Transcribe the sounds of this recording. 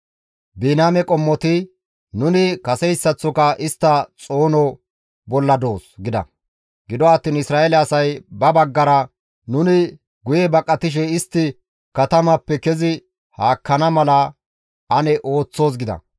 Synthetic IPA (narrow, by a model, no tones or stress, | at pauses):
biːnaːmɛkʼɔmːɔt̪ɪ | nʊnɪkɐsɛjsːɐt͡sːɔkɐʔɪst̪ːɐt͡sʼo̞ːnɔ | bɔlːɐd̪o̞ːsɡɪd̪ɐ̰ | ɡɪd̪ɔɐːt̪ːiːnɪsɾaːɛlɛɐsɐjbɐbɐɡːɐɾɐ | nʊnɪ | ɡʊjɛbɐkʼːɐt̪ɪʃ̬ɛɪst̪ːɪ | kɐt̪ɐmɐpːɛkɛzɪ | haːkːɐnɐmɐlɐ | ʔɐnɛʔo̞ːt͡sːo̞ːs̬ɡɪd̪ɐ̰